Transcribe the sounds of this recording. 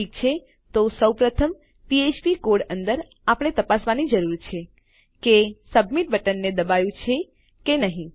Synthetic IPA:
ik̚t͡ʃʰe | t̪osəwpɾət̪ʰəm | piet͡ʃpikoɽənd̪əɾ | apɽ̃et̪əpasʋanid͡ʒəɾuɾt͡ʃʰe | kesəbmiʈ̚bʱəʈənːed̪əbajũt͡ʃʰe | kenəɦĩ

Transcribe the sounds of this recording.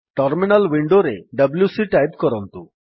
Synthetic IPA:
ʈɔɾminalwiɳɖoɾeɖəbljusiʈajbkɔɾɔnt̪u

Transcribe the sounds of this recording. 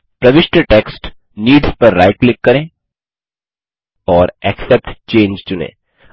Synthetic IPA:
pɾɐʋɪʃʈəʈeːksʈ | niːɖspɐɾːa̰ɪʈklɪkːɐɾẽː | ɔːɾɛksɛp̚ʈt͡ʃẽːnd͡ʒt͡ʃʊnḛ̃ː

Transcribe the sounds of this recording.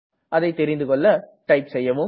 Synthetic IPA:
ʔɐðɐɪt̪ːɛɾɪnd̪ɯkɔɭːɐʈɐɪpsɛjːɐʋɯ

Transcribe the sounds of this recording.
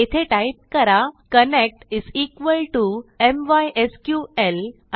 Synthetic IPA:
it̪ʰeʈajp̚kəɾakənek̚ʈiziːkʋəlʈuemʋajʔeskjuel | a

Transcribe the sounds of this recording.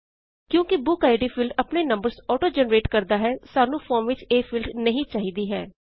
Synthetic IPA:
kjõːkɪbʊkaːɪɖiːfʰɪlɖəpneːnəmbəɾsɔːʈoːd͡ʒɛːnɾeːʈkəɾd̪aːɦɛːsaːnũːfʰɔːɾmʋɪt͡ʃeːfʰɪlɖnəɦĩːt͡ʃaːɦiːd̪iːɦɛː

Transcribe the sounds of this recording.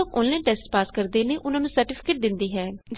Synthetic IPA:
oːko̰ːnlɛ̃ːnʈɛːsʈpaːskəɾd̪eːneːʔʊnãːnũsəɾʈɪːpʰɪ̥keːʈ̚d̪ɪnd̪iːɦɛːd͡ʒ

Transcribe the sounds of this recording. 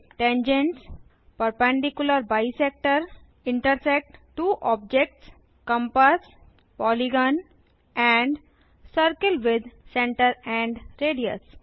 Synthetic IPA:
ʈẽnd͡ʒẽɳʈs | pəɾpɛ̃ɳɖikjʊləɾbaɪsek̚ʈəɾ | ɪ̃ɳʈəɾsek̚ʈʈuːʔɔːb̚d͡ʒek̚ʈs | kʌ̃mpəs | pɔːliɡɔ̃ːn | ɛ̃ɳɖ | səɾkəlʋɪd̪ʱsẽɳʈəɾɛ̃ɳɖɾeːɖiə̰s

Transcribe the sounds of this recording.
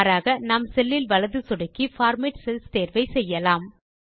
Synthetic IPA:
ɾaːɣɐnaːmsɛlːɪlʋɐɭɐðɯsɔɽɐkːifaːɾmɪʈsɛlst̪eːɾʋɐɪsɛjːɐlaːm

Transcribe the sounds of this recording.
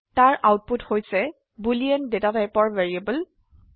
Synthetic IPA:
taɹawt̚puthojsɛ | buliɛndetatajpɔɹvɛɹiabəl

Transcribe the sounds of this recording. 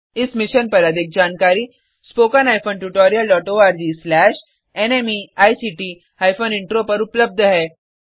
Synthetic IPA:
ɪsmɪʃənpɐɾɐd̪ʱek̚d͡ʑaːnkaːɾiː | spoːkənaːjfonʈuʈoːɾijəlɖɔːʈoːaːɾd͡ʒiːslɛːʃ | enemiaːjsiʈi | aːjfʰonɪɳʈɾopɐɾʊpləb̚d̪ʱəɦɛː

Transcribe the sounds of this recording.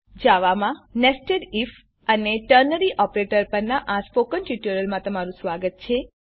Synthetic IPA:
d͡ʒaʋamãnesʈeɖif | əneʈəɾnəɾiʔɔpɾeʈəɾpəɾnaʔaspokənʈiʈuɾəlmãt̪əmaɾũsʋaɡət̪̚t͡ʃʰe

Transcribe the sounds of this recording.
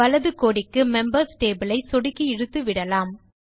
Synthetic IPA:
ɐlɐðɯkoːɽɪkːɯmɛmbɐɾsʈeːbɯlɐɪsɔɽɪkːiɪɽɯt̪ːɯʋɪɽɐlaːm

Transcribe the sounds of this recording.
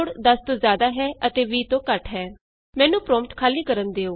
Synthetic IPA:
ɽd̪əst̪õːzjaːd̪aːɦɛːʔət̪eːʋiːt̪õːkəʈɦɛː | mɛ̃ːnũːpɾɔ̃ːmʈ̪kʰaːliːkəɾənd̪eːoː

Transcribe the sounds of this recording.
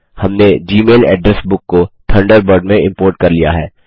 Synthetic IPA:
hɐmned͡ʒiːmeːlɛ̰ːɖɾɛsbʊkːot̪ʰɐ̃ɳɖəɾbəɾɖmẽɪ̃mpoːɾʈ̚kɐɾlija̰ɦɛː

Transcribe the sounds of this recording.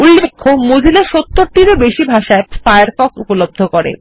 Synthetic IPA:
ulːekʰːomod͡ʑʱileʃot̪ːoɾʈiɾebeʃibʱaʃaefajaɾfɔkupolob̚d̪ʱokoɾḛ

